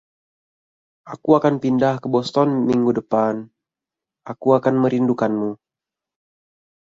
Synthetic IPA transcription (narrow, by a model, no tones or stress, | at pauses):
ʔakuakanpindahkəbɔst̪ɔnmiŋɡudəpan | ʔakuakanməɾindukanmu